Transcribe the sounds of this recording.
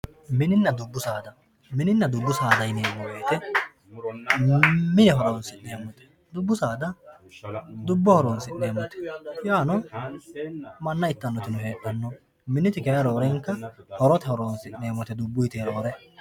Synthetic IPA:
mɪnɪnːɐd̪ʊbːʊsaːd̪ɐ | mɪnɪnːɐd̪ʊbːʊsaːd̪ɐjneːmɔbeːt̪ɛ | mɪnɛɦɔɾɔwnsɪne̞ːmɔt̪ɛ̥ | d̪ʊbːʊsaːd̪ɐ | d̪ʊbːɔhɔɾɔnsɪne̞ːmɔt̪ɛ̥jaːnɔ | mɐnːɐɪt̪ːɐnːɔt̪ɪnʊɦe̞ːkːɐnːɔ | mɪnɪt̪ɪkɛɾɐɾoːɾɛŋkːɐhɔɾɔt̪ɛhɔɾonsɪne̞ːmɔt̪ɛd̪ʊbːʊjt̪eːɾo̞ːɾɛ

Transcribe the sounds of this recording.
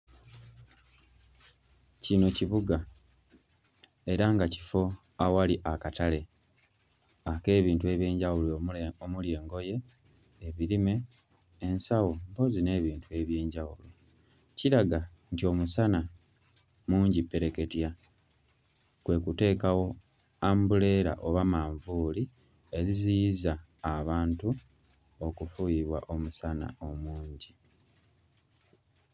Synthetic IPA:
cino̞ciβuɡa | e̞ɾaŋɡaci̥fo̞ | awaliʔakatale̞ | ake̞ːβiːntue̞βje̞ːɲɟawuloomulje̞ːŋɡo̞je̞ː | βiɾime̞ː | nsawompo̞zine̞ːβiːntue̞ːβje̞ːɲɟawulo | ciɾaɡa | ntio̞musana | muːɲɟipːe̞ɾeke̞tja | kwe̞ːkute̞ːkawo̞ | ambule̞ːɾa̰ʔo̞βamaːɱvuːli | e̞zizijizaː | βaːntu | o̞kufujiβwa̰ʔo̞musana̰o̞muːɲɟi

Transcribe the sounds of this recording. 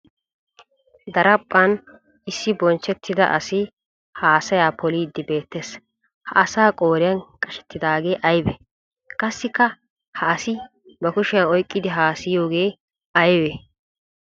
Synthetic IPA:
d̪ɐɾɐpʼːɐn | ɪsːɪbɔnt͡ʃːɛt̪ʰːɪd̪ɐ̰ʔɐ̰sɪ | haːsɐjaːpʰɔliːd̪ːɪbe̞ːt̪ːeːs | hɐ̰ʔɐsaːkʼoːɾɪjɐnkʼɐʃɛ̥t̪ːɪd̪aːɡe̞ːʔɐjbɛ | kʼɐsːɪkːɐ | hɐːsɪ | bɐkʊʃɪjɐnɔjkʼːɪd̪ɪɦaːsɪjo̞ːɡe̞ː | ɐjbe

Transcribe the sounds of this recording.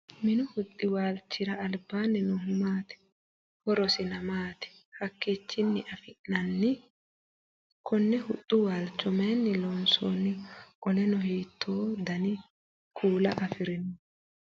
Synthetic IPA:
mɪnʊhʊt̪ʼːɪwaːlt͡ʃːɪɾɐːlbːaːnːɛnʊhʊmaːt̪ɛ̥ | hɔɾɔsɪnɐmaːt̪ɛ̥ | hɐkːiːt͡ʃːɪnːɪʔɐfɪʔːɐnːɪ | kʰɔnːɛhʊt̪ʼːʊwaːlt͡ʃːɔmɛjnːɪloːnso̰ːnːɪkʼɔlɛnɔhiːt̪ʰːoːd̪ɐnɪ | kʰuːlɐʔɐfɪɾɪnʊ

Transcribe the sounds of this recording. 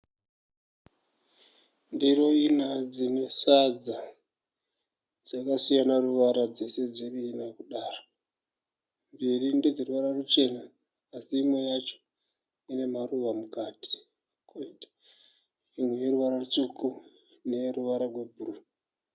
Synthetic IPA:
ndiro̞inad͡zine̞sad͡za | d͡zakasijanaruʋaɾad͡ze̞se̞d͡ziriːnakuɗaːro | mbirinded͡zeɾuʋaɾarut͡ʃe̞naː | siːmo̞jat͡ʃo̥ | ine̞maruʋamukaːti̥ | koiti | imwejeɾuʋaɾarut͡suku | ne̞ruʋaɾarwe̞bʱuru

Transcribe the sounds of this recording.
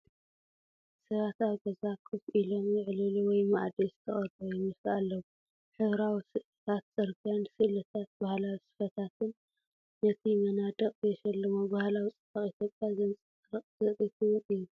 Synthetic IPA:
sɐβat̪aβɡɐzakʰɨfilo̞mjɪʕlɨluwɔjma̰ʔd̪izɨ̥t̪ʰɐχʼɐɾbojɛmɨsalːɐwu | ħɨβɾawisɨʔ | t̪ʰat̪̚z̥ʼɨɾkʰansɨlɐt̪ʰat̪̚bahlawisɨ̥fɐt̪ʰat̪ʰɨnː | ɐt̪ʰimɐnad̪ɐχʼjɛʃɐlːɐmobahlawit͡sʼɨ̥fɐχʼit̪ʰjo̞pʼjazɐnt͡sʼɨ | ɾɨχʼzɨt̪ʼit̪ʰuwʊnijːu

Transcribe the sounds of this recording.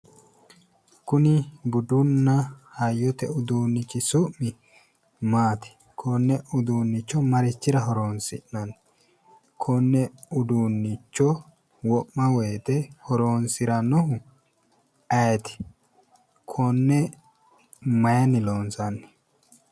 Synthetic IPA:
kʊnɪɡʊd̪ʊnːɐhɐjːɔt̪ɛʊd̪uːnːɪkɪsʊmːɪ | maːt̪ɪ̥ | kʰonːɛʔʊd̪uːnːɪt͡ʃːɔmɐɾɪt͡ʃːɪɾɐɦɔɾoːnsɪ̰ʔnɐn | kʰɔnːɛʊd̪uːnːɪt͡ʃːɔ | wɔʔːɐwɛjt̪ɛhɔɾoːnsɪɾɐnːɔɦʊ | ɐjt̪ɪ̥ | kʰɔnːɛ | mɐjɐnɪloːnsɐnːɛ

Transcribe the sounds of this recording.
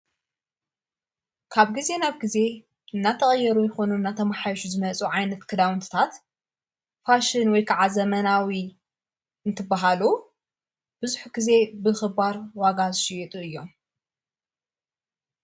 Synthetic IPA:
kʰaβɡize̞naβɡize̞ | ɨnːat̪ʰɐχʼɐjːɐɾujɛxo̞nuɨnːat̪ʰɐmaħajʃuzɨmɐt͡sʼuʕajnɐt̪kʰɨd̪awɨnt̪ʰɨ̥t̪ʰat̪ | faʃɪnwɔjkʰaʕazɐmɐnawi | ɨnt̪ʰɨbːaɦalu | b̥ɨzuħuɡ̥ize̞bɨxɨbaɾwaɡazɨʃɪjɛt̪ʼuɨjːo̞m

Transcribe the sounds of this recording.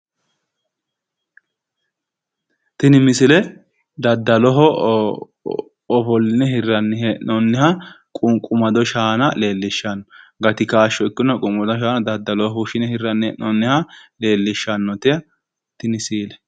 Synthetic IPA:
t̪ɪnɪmɪsɪlɛ | d̪ɐd̪ːɐlɔɦɔ | ɔfɔlːɪnɛhɪrːɐnːɪhɛnɔnːɪhɐ | kʼʊŋkʼʊmɐd̪ɔʃaːnɐle̞ːlːɪʃːɐnːɔɡɐt̪ɪkaːʃːɔɪkːʊnːɔkʼʊŋɐd̪ɔʃ̬aːnɐd̪ɐd̪ːɐlɔɦuʃɪnɛhɪrːɐnːɛɛnɔnːɪhɐle̞ːlːɪʃːɐnːɔt̪ɪɐ | t̪ɪnɪsiːlɛ

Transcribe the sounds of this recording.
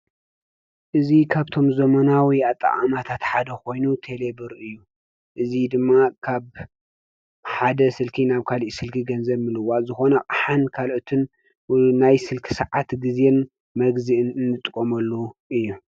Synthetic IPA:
ʔɨzikʰaβt̪ʰo̞mzɐmɐnawiat̪ʼːɐ̰ʔʼa̰mat̪ʰat̪ħad̪ɐko̞jnut̪ʰe̞le̞bɨɾʔɨjːu | ʔɨzid̪ɨmːakʰaβ | ħad̪ɐsɨlkʰinaβkʰaliʔsɨlkʰiɡɐnzɐβmɨlɨwazɨxo̞nɐkʼaħankʰalʔot̪ʰɨn | najsɨlkʰɨ̥sɐʕat̪ɡɨzen | mɐɡzɨʔɨnɨnːɨt̪ʼɨkʼːomɐlːoʔɨjːu

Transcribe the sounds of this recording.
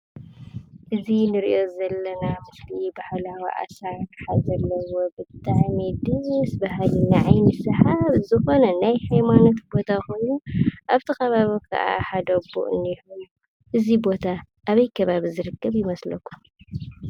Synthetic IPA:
ʔɨzinɨɾiʔo̞zɐlːɐnamɨslibahlawḭʔa̰saɾtħazɐlːɐwo̞bɨt̪ʼːaʕnid̪ɨɾsbaɦalinaʕajnɨsɐħaβzɨxo̞nɐnajhajmano̞t̪bo̞t̪ʰako̞jnuʔaβt̪ʰikɐβaβikʰɐ̰ʔa̰ħad̪ɐbṵʔɨ̰nːijhulu | ʔɨzibo̞t̪ʰa | ʔaβɐjkʰɐβaβizɨɾɨkːɐβjɪmɐslɐkʰːum

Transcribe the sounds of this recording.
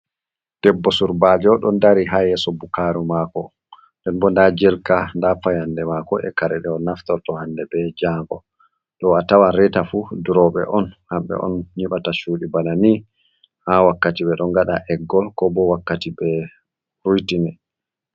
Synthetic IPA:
d̥ɛbːɔsuɾbad͡ʒɔɗɔndaɾiɦajɛsɔbukaɾumakɔ | ndɛnbɔndad͡ʒɛlkandafajandɛmakɔʔɛ̰kaɾɛɗɛɔnaftɔɾtɔhandɛbɛd͡ʒaːŋɡɔ̰ | ɗɔatawaɾɛtafuduɾɔɓɛ̰ʔɔnhamɓɛ̰ʔɔ̰nɲiɓataʃuːɗibanani | hawakːatiɓɛɗɔŋɡaɗaʔɛɡːɔlkɔbɔwakːatibɛ | ɾujtinɛ

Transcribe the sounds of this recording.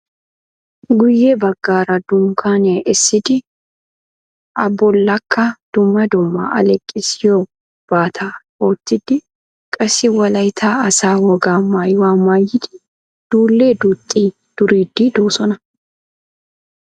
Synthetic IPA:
ɡʊjːɛbɐɡːaːɾɐd̪ʊŋkʰaːneʔɛsːɪd̪ɪ | ʔɐbːɔlːɐkːɐd̪̥ʊmːɐd̪ʊmːɐ̰ʔɐ̰lɛkʼːɪsjoː | b̥aːt̪ʰa | oːt̪ːɪd̪ɪ | kʼɐsɪwɐlɐjt̪ʰaːɐsaːwɔɡaːmaːjwaːmaːjːɪd̪ɪ̥ | d̪̥uːlːeːd̪ut̪ʼːiː | d̪̥ʊɾiːd̪ːiːd̪uːsɔnɐ

